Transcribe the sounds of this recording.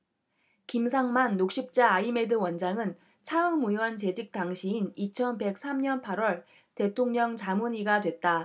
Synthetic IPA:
kimsʰaŋmanːok̚ɕ͈ip̚t͡ɕ͈aːime̞dɯwʌnd͡ʑaŋɯn | t͡ɕʰaɯŋmujwʌnt͡ɕe̞d͡ʑik̚t͈aŋɕʰiinit͡ɕʰʌnbe̞k̚s͈ʰamɲʌnpʰaɾwʌɭ | te̞tʰoŋɲʌŋt͡ɕamuɲiɡadwe̞t̚t͈a

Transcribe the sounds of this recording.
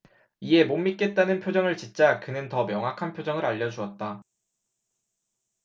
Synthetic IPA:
ie̞momːit̚k͈e̞t̚t͈anɯnpʰjod͡ʑʌŋɯɭt͡ɕint͡ɕ͈akɯnɯntʌmjʌŋɦakʰanpʰjod͡ʑʌŋɯɾaʎːʌd͡ʑuʌt̚t͈a

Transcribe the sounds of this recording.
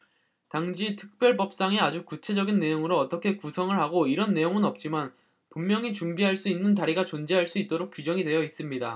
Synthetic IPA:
taŋd͡ʑitʰɯ̥k̚p͈jʌɭbʌp̚s͈aŋead͡ʑukut͡ɕʰe̞d͡ʑʌɡinːe̞joŋɯɾoʌt͈ʌkʰe̞kusʰʌŋɯɭhaɡoiɾʌnːe̞joŋɯnʌp̚t͡ɕ͈iman | pummːjʌŋit͡ɕuŋbiɦaɭs͈uinːɯnt̬aɾiɡat͡ɕond͡ʑeɦaɭs͈uit̚t͈oɾok̚k͈ud͡ʑʌŋidwe̞jʌis͈ɯmɲida

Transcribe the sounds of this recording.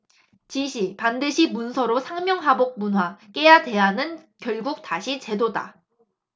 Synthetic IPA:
t͡ɕiɕʰipandɯɕʰimunsʰʌɾosʰaŋmjʌŋɦabok̚munɦwak͈e̞jade̞janɯnkjʌɭɡuk̚t͈aɕʰit͡ɕe̞doda̰

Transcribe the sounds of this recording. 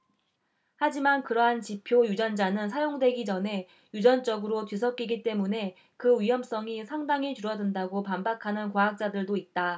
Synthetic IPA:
had͡ʑimankɯɾʌɦant͡ɕipʰjojud͡ʑʌnd͡ʑanɯns̬ʰajoŋdwe̞ɡid͡ʑʌne̞ | jud͡ʑʌnt͡ɕ͈ʌɡɯɾotɥis̬ʰʌk͈iɡit͈e̞mune̞ | kɯɥijʌms͈ʌŋisʰaŋdaŋit͡ɕuɾʌdɯndaɡopambakʰanɯnkwaɦak̚t͡ɕ͈adɯɭdoit̚t͈a

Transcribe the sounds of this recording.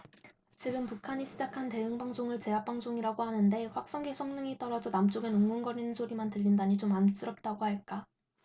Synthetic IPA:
t͡ɕiɡɯmpukʰaɲiɕʰid͡ʑakʰante̞ɯŋbaŋsʰoŋɯɭt͡ɕe̞ɦap̚p͈aŋsʰoŋiɾaɡohanɯnde̞ɸwak̚s͈ʌŋɡesʰʌŋnɯŋit͈ʌɾʌd͡ʑʌnamt͡ɕ͈oɡenɯŋɡunɡʌɾinɯnsʰoɾimantɯʎːindaɲit͡ɕomans͈ɯɾʌp̚t͈aɡohaɭk͈a

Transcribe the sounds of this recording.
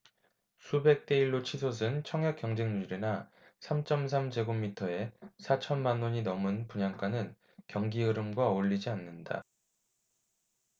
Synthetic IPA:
sʰube̞k̚t͈e̞iɭːot͡ɕʰisʰos̬ʰɯnt͡ɕʰʌŋɦjak͈jʌŋd͡ʑeŋɲuɾina | sʰamt͡ɕ͈ʌms̬ʰamd͡ʑe̞ɡomːitʰʌe̞sʰat͡ɕʰʌnmanːoɲinʌmɯnpuɲaŋk͈anɯn | kjʌŋɡiɯɾɯmɡwaoʎːid͡ʑianːɯnda̰

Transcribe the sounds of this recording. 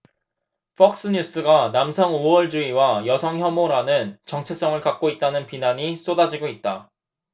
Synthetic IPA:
pʰʌk̚s͈ɯɲus͈ɯɡanamsʰʌŋuʌɭd͡ʑuiwajʌsʰʌŋçjʌmoɾanɯnt͡ɕʌŋt͡ɕʰes͈ʌŋɯɭkak̚k͈oit̚t͈anɯnpinaɲis͈odad͡ʑiɡoit̚t͈a

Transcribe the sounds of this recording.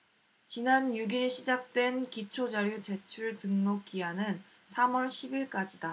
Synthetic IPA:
t͡ɕinanjuɡiɾɕʰid͡ʑak̚t͈we̞nkit͡ɕʰod͡ʑaɾjut͡ɕe̞t͡ɕʰuɭtɯŋnok͈ianɯn | sʰamʌɭɕʰibiɭk͈ad͡ʑida

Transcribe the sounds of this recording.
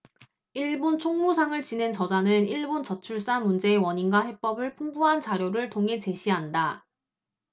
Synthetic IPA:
iɭbont͡ɕʰoŋmusʰaŋɯɭt͡ɕine̞nt͡ɕʌd͡ʑanɯniɭbont͡ɕʌt͡ɕʰuɭs͈amund͡ʑe̞ːwʌɲinɡwahe̞p͈ʌbɯɭpʰuŋbuɦant͡ɕaɾjoɾɯɭtʰoŋɦe̞t͡ɕe̞ɕʰiɦanda

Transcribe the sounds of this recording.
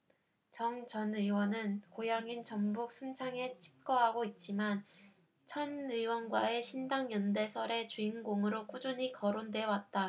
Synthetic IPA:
t͡ɕʌŋt͡ɕʌnɯwʌnɯnkojaŋint͡ɕʌmbuk̚s͈ʰunt͡ɕʰaŋe̞t͡ɕʰi̥p̚k͈ʌɦaɡoit̚t͡ɕ͈iman | t͡ɕʰʌnɯwʌnɡwae̞ɕʰindaŋjʌnde̞sʰʌɾe̞t͡ɕuinɡoŋɯɾok͈ud͡ʑuɲikʌɾondwe̞wat̚t͈a

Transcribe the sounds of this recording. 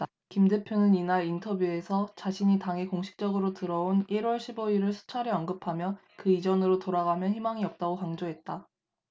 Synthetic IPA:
kimde̞pʰjonɯninaɾintʰʌbjue̞sʰʌt͡ɕaɕʰiɲitaŋekoŋɕʰi̥k̚t͡ɕ͈ʌɡɯɾotɯɾʌoniɾwʌɭɕʰiboiɾɯɭsʰu̥t͡ɕʰaɾiʌnɡɯpʰamjʌ | kɯid͡ʑʌnɯɾotoɾaɣamjʌnɦçimaŋiʌp̚t͈aɡokaŋd͡ʑoɦe̞t̚t͈a

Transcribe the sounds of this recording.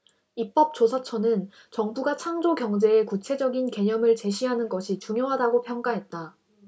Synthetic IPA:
ip͈ʌp̚t͡ɕ͈osʰat͡ɕʰʌnɯn | t͡ɕʌŋbuɡat͡ɕʰaŋd͡ʑokjʌŋd͡ʑe̞ːkut͡ɕʰe̞d͡ʑʌɡinke̞ɲʌmɯɭt͡ɕe̞ɕʰiɦanɯnɡʌɕʰit͡ɕuŋjoɦadaɡopʰjʌŋk͈aɦe̞t̚t͈a

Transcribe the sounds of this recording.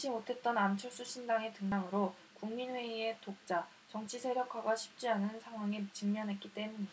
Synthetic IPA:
ɕʰimotʰe̞t̚t͈ʌnamt͡ɕʰʌɭs͈uɕʰindaŋe̞tɯŋaŋɯɾo | kuŋminwe̞ie̞tok̚t͡ɕ͈a | t͡ɕʌŋt͡ɕʰisʰe̞ɾjʌkʰaɡwaɕʰi̥p̚t͡ɕ͈ianɯnsʰaŋɦwaŋit͡ɕɯŋmjʌnɦe̞t̚k͈it͈e̞muɲ

